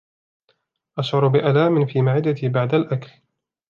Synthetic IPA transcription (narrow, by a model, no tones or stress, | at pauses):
ʔaʃʕʊɾbɪʔalaːmɪnfiːmaʕɪd̪ːat̪iːbaʕd̪alʔakl